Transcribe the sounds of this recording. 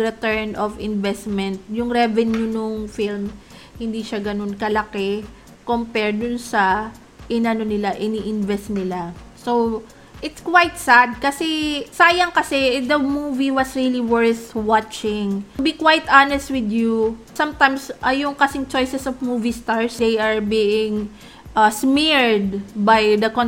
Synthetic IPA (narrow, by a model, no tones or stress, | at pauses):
ɾɛt̪ɛɹnovɪnvɛst̪mɛnt̪̚jʊŋɾɛvɛnjʊnʊŋfilm | hɪnd̪iʃaɡɐno̞nkɐlɐkɛ | kompɛɹd̪ʊnsɐ | ʔɪnɐnonɪlaʔɪniʔɪnvɛst̪nɪlasow | ʔɪt̪skwajt̪sad̪̚kɐsɛsaːjɐŋkɐsɛd̪ɐmuviwɐsɹiliwɛɹθwat͡ʃɪŋbikwajt̪anɛst̪̚wɪd̪jusɐ̃mt̪ãjmsʔɐjʊŋkɐsɪŋt͡ʃo̞jsɛsɔvmuvist̪aɹsd̪ejʔɐɹbiːʔɪ̃ŋ | ʔɐsmiɹd̪̚bajd̪ɐkon